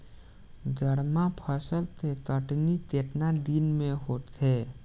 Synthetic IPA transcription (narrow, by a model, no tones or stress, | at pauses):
d͡ʒəɽmapʰəsəlt̪ʰet̪əʈnit̪eʈnad̪inmeɦot̪ʰe